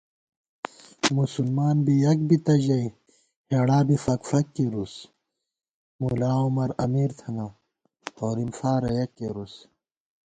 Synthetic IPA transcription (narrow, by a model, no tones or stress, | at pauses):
musulmaːnbijɐk̚bit̪ɐʑɐj | heɽaːbifɐkfɐkːeɾus | mulaːumɐɾɐmiːɾt̪ʰɐŋɐ | oːɾimfaːɾɐjɐkːeɾus